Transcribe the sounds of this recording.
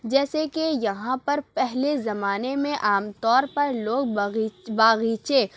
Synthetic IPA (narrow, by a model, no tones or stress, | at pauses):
d͡ʒɛːsekejɐɦãpɐɾpɛɦlezɐmaːnemẽʔaːmt̪ɔːɾpɐɾloːɡ̚baːɣiːt͡ʃe